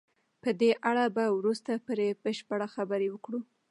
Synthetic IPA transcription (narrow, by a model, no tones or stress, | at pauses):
pəd̪eʔaɽabawɾust̪apəɾebəʃpaɽaxabəɾewəkɽu